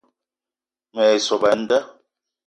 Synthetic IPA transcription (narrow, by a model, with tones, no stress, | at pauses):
ŋ˨ɛ˨sɔ˨ba˨n̩˦da˦